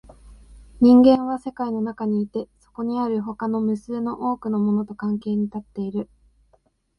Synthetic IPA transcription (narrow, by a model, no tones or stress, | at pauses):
ɲ̟ĩŋɡẽ̞ɰ̃β̞ase̞kaino̞nakaɲ̟iːt̪e̞so̞̥ko̞ɲ̟iaɾɯ̟ɦo̞kano̞mɯ̟sɨːno̞ʔo̞ːkɯ̟no̞mo̞no̞t̪o̞kãŋke̞ːɲ̟it̪at̪ːe̞iɾɯ̟